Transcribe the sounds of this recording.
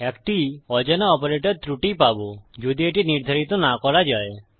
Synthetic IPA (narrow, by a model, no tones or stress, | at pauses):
ekʈiɔd͡ʒɔnɔɔpɔɾeʈɔɾt̪ɾuʈipabud͡ʒud̪ieʈiniɾd̪ʱɔɾit̪ɔnakɔɾad͡ʒae